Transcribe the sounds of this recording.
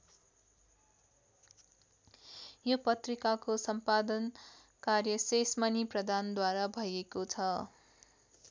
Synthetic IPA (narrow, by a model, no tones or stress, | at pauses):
jopʌt̪rikakosʌmpad̪ʌn | karjʌsesmʌniprʌd̪ʱand̪waɾabʱʌjekot͡sʰʌ